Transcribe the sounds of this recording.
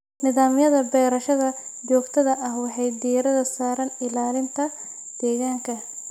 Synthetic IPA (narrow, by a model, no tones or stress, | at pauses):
nɪðaːmɪjɐðɐbɛːɾɐʃɐðɐd͡ʒɔːɡt̪ʰɐðɐʔɐhwɑħɑjd̪iɾɐðɐsaːɾɐnɪlaːlɪnt̪ʰɐ | d̪̥ɛːɣaːŋkʰɐ